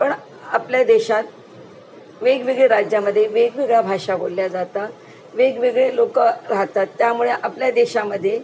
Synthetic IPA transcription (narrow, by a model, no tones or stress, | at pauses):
pəɳ | apljad̪eɕat̪̚ | ʋeɡʋeɡɭeɾad͡ʑjaməd̪ʱːjeʋeɡʋeɡɭjabʱaʂabolːjad͡zat̪a | ʋeɡʋeɡɭelokəɾaɦt̪at̪ːjamuɭeʔapljad̪eɕaməd̪ʱːje